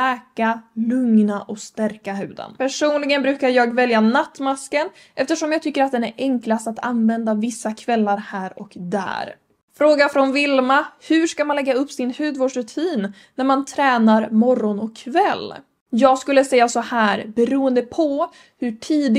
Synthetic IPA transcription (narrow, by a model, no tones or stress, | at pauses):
ɛːkalɵŋnaʔɔkst̪æɾkaɦʉ̟ːd̪ə̰npʰæʂuːnlɪɡənbɾʉ̟ːkaɾjɑːɡvɛljanat̪ːmaskən | ʔɛft̪əʂɔmjɑɡt̪ʏkːəɾat̪̚d̪ɛnæɾɛŋklast̪at̪ʰa̰nvɛnd̪avɪsːakʰvɛlːaɾhæːɾɔkd̪æ̰ːɾ | fɾoːɡafɾɔnvɪlmahɵ̟ʂkamanlɛɡːaɵpːsɪnhʉ̟ːd̪voːɖʂɾɵt̪ʰiːnː | æɾmant̪ʰɾɛːnaɾmɔrːɔnɔkʰːvɛlː | jɑːɡskɵlːəsɛjːasɔhæːɾbɛɾuːənd̪əpʰɔ | hɵʈʰiːd̪ɪ